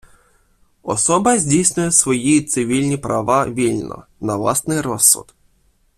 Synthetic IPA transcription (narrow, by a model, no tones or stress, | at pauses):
ɔsɔbɐzʲdʲijsnʲʊjɛsʋɔjit̪sɪʋʲilʲnʲipɾʔɐʋaʋʲilʲnɔ̰nɐʋlˠasnɪjɾɔsːʊ̰t̪